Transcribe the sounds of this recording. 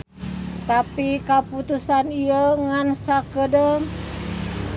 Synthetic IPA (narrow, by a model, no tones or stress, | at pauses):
t̪apikaput̪usaniəŋansakədə